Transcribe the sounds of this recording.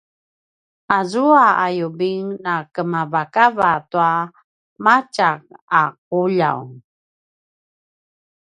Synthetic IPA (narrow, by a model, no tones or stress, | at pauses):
azuaajubiŋnakəmavakavatua | mat͡ʃak̚aq̚uʎa̰wŋ